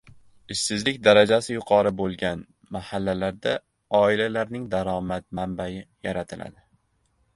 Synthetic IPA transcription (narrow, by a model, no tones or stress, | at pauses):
ɪʃsɪzlɪkʲd̪aɾad͡ʒasɪjʊqʰɒɾɪbolˠɡʲan | mahalːalaɾd̪a | ɒɪlalaɾnɪŋd̪aɾɒmat̪̚mambajɪjaɾat̪ʰɪlʔa̰d̪ɪ